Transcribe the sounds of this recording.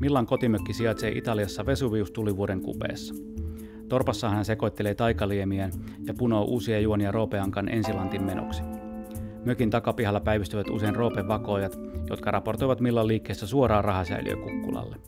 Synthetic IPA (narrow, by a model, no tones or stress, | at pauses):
milːɑŋko̞t̪imøkːisiɑt̪sḛʔḭt̪ɑliɑsːɑʋe̞suʋiːust̪uliʋuoɾe̞ŋkṵpḛːsːɑ̥ | t̪o̞rpɑsːɑːɦænænseko̞jt̪ːeleːt̪ɑjkɑliemiæn | jɑpuno̞ːʔuːsiɑjuoniɑro̞ːpeɑŋkɑnʔe̞̰nsilɑnt̪immeno̰ksi̥ | møkint̪ɑkɑpiɦɑlːɑpæjʋist̪yʋæt̪ṵseinro̞ːpeʋʋɑko̞ːjɑt̪ | jot̪kɑrʔɑpo̞rt̪ojʋɑt̪milːɑlːiːkːeːsːæsuoɾɑːrɑɦɑsæ̰ily̰ø̰kukːṵlɑ̰lːe